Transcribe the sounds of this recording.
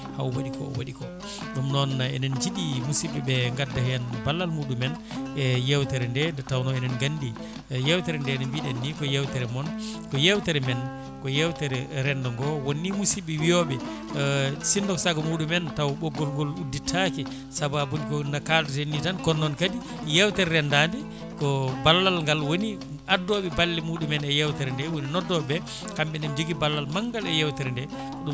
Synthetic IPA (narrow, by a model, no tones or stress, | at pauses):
hawwaɗikɔ̰wa̰ɗikɔ | ɡamnɔnɛ̰nɛnd͡ʒiɗimusiɓɛɓɛŋɡadːahɛjanbalːalmuɗumɛn | ɛjɛwtɛɾɛndɛndɛtawnɔɛnɛnɡandi | jɛwtɛɾɛndɛnɛnbiɗɛnːikɔjɛwtɛɾɛmɔnkɔjɛwtɛɾɛmɛn | kɔjɛwtɛɾɛɾɛndɔŋɡɔwonːimusibɛwijɔɓɛ | sindɔksaɡamuɗumɛntawɓɔɡɔlɡɔluditʰaki | sababunikɔnakaltɛnːitankɔnːɔnkadi | jɛwtɛɾɾɛndaːndi | kɔbalːalŋɡalwoni | ʔadːɔɓɛbalːimuɗumɛnɛjɛwtɛɾɛndɛwoninɔdːɔbɛ | kamɓɛndɛmd͡ʒoɡibalːalmaŋɡalɛ̰jɛwtɛɾɛndɛ | ɗum